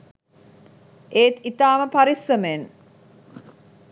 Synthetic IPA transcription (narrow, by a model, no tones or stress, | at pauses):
ʔeːt̪it̪aːməpaɾisːəmen